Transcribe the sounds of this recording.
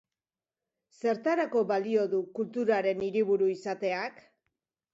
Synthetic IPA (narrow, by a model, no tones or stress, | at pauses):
se̞ɾt̪aɾako̞βalio̞ðukult̪uɾaɾe̞niɾiβuɾuisat̪e̞ak